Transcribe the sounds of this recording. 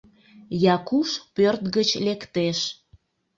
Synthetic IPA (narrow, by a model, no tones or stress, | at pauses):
jɑkuʃpørt̪ɣət͡ɕlekt̪eʃ